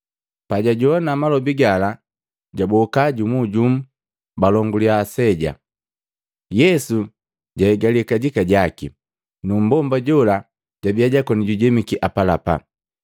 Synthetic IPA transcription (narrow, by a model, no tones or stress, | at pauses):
paɟaɟɔɔnamalɔbiɡala | ɟabɔkaɟumuɟum̩ | balɔŋɡuliasɛɟa̰ | jɛsu | ɟahɛɡalikaɟikaɟakḭ | num̩bɔmbaɟɔla | ɟ̥abiaɟakɔniɟuɟɛmikiʔapalapa̰